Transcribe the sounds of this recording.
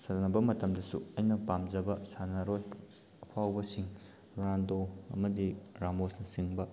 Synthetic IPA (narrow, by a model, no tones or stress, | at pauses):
sɐnɐbɐmɐtɐmdɐsuɐjnɐpamd͡ʒɐbɐsanɐɾoj | ɐpʰawbɐsiŋ | ɾandoɐ̰mɐdiɾamosnɐsiŋbɐ